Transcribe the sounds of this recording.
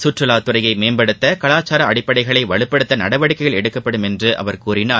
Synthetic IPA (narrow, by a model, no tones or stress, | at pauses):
sʊʈrɯlaːt̪ːʊrɐjɐɪmeːnbɐɽɯt̪ːɐkɐɭaːt͡ʃːaːɾɐɐɽɪpːɐɽɐɪɣɐɭɐɪʋɐɭɯpːɐɽɯt̪ːɐnɐɽɐʋɐɽɪkːɐɪjɐɭɛɽɯkːɐpːɐɽɯmɛndrɯʔɐ̰ʋɐɾkuːɾɪnaː